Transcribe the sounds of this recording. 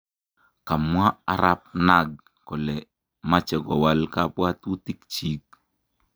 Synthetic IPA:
ka˨mwa˦a˦ɾa˦p̚na˨ɡ̚ | kɔ˨lɛ˨ | ma˦t͡ʃɛ˨ɡɔ˨wa˦lka˦pwa˦tu˦ti˦k̚t͡ʃi˦k̚

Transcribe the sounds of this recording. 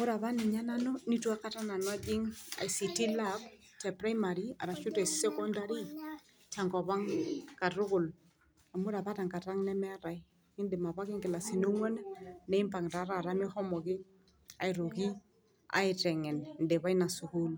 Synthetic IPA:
a˨mʊ˦ɾa˨βa˦nɪ˨ɲa˦na˦nɔ˦ni˦twa˦ka˦ta˦na˨nɔ˦d͡ʒɪ˦ŋa̰˨i˨si˨ti˦lab | tɛ˨pɾa˦jma˨ɾi˦a̰˨ɾa˨ʃʊ˦tɛ˨sɛ˦kɔ˦nda˦ɾi˦ | tʰa˨ŋkɔ˨βa˦ŋka˨ɾʊ˦kʊ˨l | a˨mʊ˦ɾa˨pa˦ta˨ŋka˨ta˦ŋnɛ˦mɛ˦a˦ɾa˨ɪ˦ | ɪ˦ndɛ˨ma˨pa˦kɪ˦ŋkɪ˨la˨sɪ˨no˦ŋwɔ˦n˦nɛ˨˦ɪ˦mpa˨ŋ˨ta˨˦ɾa˨ɾa˦mɪ˦hɔ˦mɔ˨kɪ˦ | a̰˨ɪ˨ɾo˨ki˦ | a̰˦ɪ˨tɛ˨ŋɛ˨nndɛ˨βa˦i˦na˨sʊ˨hu˦l

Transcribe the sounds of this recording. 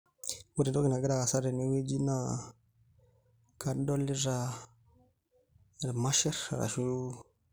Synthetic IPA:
wu˦˨ɾto˦ɡi˨na˨ɡi˦ɾa˦˨a˨sa˦ɾe˨ni˦we˦d͡ʒi˦na˦ | ka˦do˦li˦ɾa˦˨ | ɾe˨ma˦ʃɛ˦ɾa̰˨ɾa̰˨ʃu˦

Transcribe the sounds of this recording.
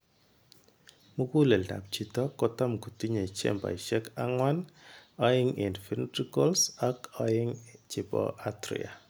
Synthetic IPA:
mu˦ku˦lɛ˨lda̰˨p̚t͡ʃi˨tɔ˦kɔ˦ta˦mku˨ti˦ɲe˨t͡ʃɛ̰˦˨mba̰˨i˨t͡ʃɛ˦ka˦ŋwa˦nɔ˦ɪ˦ŋe˨ndfi˦ntɾi˦kɔ˦lsa˨kɔ˦ɪ˦ŋt͡ʃɪ˨pɔ̰˨ʔa˦tɾḭ˨a̰˨

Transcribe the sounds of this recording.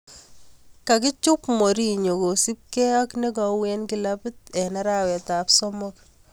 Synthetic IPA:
ka˨k̬ɪ˦t͡ʃu˦pmo˨ɾi˦ɲo˨ko˨si˦p̚kɛ˦a˦kne˦kɔ˨wɛnki˦lapɪ˦tɛ˨na˦ɾawɛ˨ta˨psɔmɔk

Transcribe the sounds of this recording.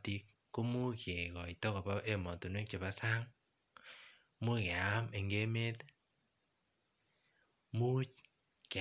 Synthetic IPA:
ti˦k̚ːo˦mu˦ke˨ɣɔ˨i˨tɔ˦kɔ˨ba˦e˦mɔ˨tu˨nwe˦kt͡ʃe˨βa˦sa˦ŋ | mu˦ke˨a˦me˨ŋɡe˦me˦t | mu˦t͡ʃ | k

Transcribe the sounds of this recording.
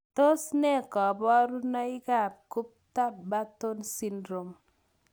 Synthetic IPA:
t̪o˦snɛ˦˨kɔ˨bɔ˦ɾnɔ˦ɪ˦ka˦˨p̚ku˦p̚t̪a˦pba˦t̪o˦nsi˦ndɾo˨m

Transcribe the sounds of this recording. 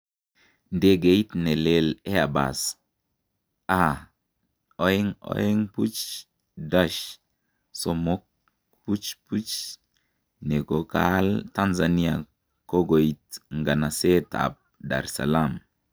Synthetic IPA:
nde˦ɡe˨i˦tne˨le˦˨le˦a˨ba̰˨s | a˦˨ | o˦e˦ŋo̰˦e˦ŋpu˦t͡ʃ | da˦ʃ | so˨mo˦k̚ | pu˦t͡ʃpu˦t͡ʃ | ne˨ko˨ka˦lta˦nza˨ni˦a̰˨ | ko˦ɡo˨i˨tŋɡa˨na˨se˦ta̰˨p̚da̰˨ɾsa̰˨la˦˨m

